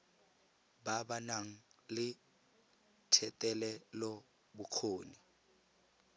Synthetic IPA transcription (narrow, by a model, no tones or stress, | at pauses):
babanaŋ̩lɪ | tʰɛtʼɛlɛlɔ | bʊq͡χʰoːni